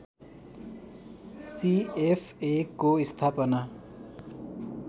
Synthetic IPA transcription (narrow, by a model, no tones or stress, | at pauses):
siepʰekːoist̪ʰaːpəna